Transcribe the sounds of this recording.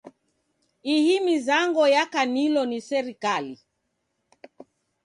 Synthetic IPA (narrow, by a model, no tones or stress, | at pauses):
ihimizaŋɡɔjakanilɔnisɛɾikali